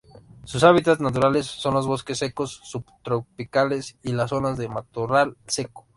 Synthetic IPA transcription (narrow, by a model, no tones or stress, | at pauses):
susaβ̞it̪at̪znat̪̬uɾale̞sːo̞nlo̞zβoskesːe̞ko̞sːubt̪ɾopikale̞silaso̞nazðemat̪uralse̞ko